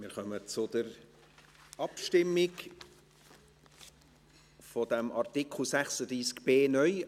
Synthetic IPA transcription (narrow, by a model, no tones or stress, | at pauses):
mɪɾχœmət͡sʊd̥əɾ | ɑpʃtɪmːɪk | fɔdɛmʔɑrtɪkʰl̩sæχsəd̪ɾiːskb̥eːnœʏ